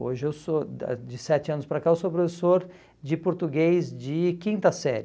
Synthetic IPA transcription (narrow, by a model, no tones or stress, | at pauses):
o̰ʒɪewso̰d͡ʒɪsɛt͡ʃɪɐ̃nʊspɾɐkaewsopɾofesoɾ | d͡ʒɪpoɾt̪uɡejzd͡ʒɪkĩnt̪ɐsɛɾ